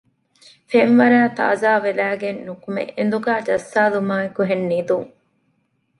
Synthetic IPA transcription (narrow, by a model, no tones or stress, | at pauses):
fenʋɐɾæːt̪a̰ːzaːʋelæːɡenːukumḛend̪uɡæːd͡ʒɐsːaːlumaːekuɦenːiːd̪uŋ